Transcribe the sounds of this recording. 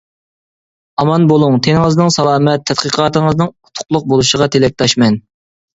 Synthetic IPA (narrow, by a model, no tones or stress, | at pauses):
ɑmɑnbolˠʊŋt̪ʰenɨŋəznɨŋsɑlˠɑːmɛt̪ʰːɛt̪̚qəqʰɑːt̪əŋəznɨŋut̪ʰʊ̥qlˠʊq̚bolˠuʃəʁɑt̪ʰelɛk̚ʲt̪ʰɑʃmɛn